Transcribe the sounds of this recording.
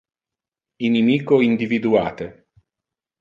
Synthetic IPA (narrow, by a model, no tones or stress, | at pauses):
inimiːkoind̪ivid̪ua̰ːt̪e